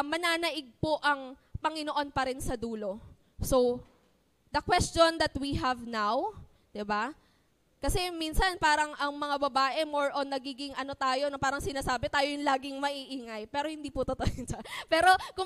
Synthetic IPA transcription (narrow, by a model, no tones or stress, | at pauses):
mɐnaːnɐʔɪɡ̚po̞ʔɐŋpɐŋɪno̞ʔo̞npɐɾɪnsɐd̪uːlo̞ | so̞w | d̪ɐkwɛst͡ʃond̪ɐt̪wiɦɐvnaw | d̪̥ɪba | kɐsɛminsɐnpaːɾɐŋʔɐŋmɐŋabɐbaːʔɛmo̞ɹʔonːɐɡiːɡɪŋʔɐno̞t̪aːjo̞nɐpaːɾɐŋsɪnaːsaːbɛt̪aːjojʊŋlaːɡɪŋmɐʔiːʔiːŋɐjpɛːɾo̞hɪnd̪iːpʊt̪ɐt̪ojɪnt͡ʃɐpɛːɾo̞kʊ